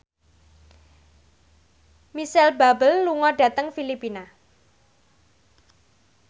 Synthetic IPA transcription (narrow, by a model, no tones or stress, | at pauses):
misɛlbabəlːuŋɔɖä̤t̪əŋfilipina